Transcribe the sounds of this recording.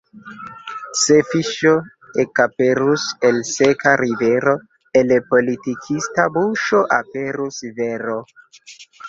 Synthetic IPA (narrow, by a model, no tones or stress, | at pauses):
sefiʃo | ekapeɾuselsekaɾʔiveɾo̞ | elpo̞litikʰistabuʃo̞ʔape̞ɾusveɾo